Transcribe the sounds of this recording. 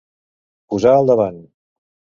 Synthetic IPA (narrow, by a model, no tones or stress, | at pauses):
puzaːlˠd̪əβan